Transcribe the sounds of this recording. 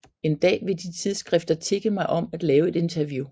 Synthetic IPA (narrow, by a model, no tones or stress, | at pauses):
e̝nd̥ɛ̰ːʋe̝d̥it͡sʰið̞ˠsɡ̥ʁɛfd̥ɐt͡sʰe̝ɡ̥əmɑ̈ɪʔɒ̽mæd̥lɛːʊe̝d̥e̝nt͡sʰɐʋju